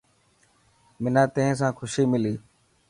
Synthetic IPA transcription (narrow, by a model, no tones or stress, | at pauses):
mɪnãːt̪eẽːs̬ãːkʰʊʃiːmɪliː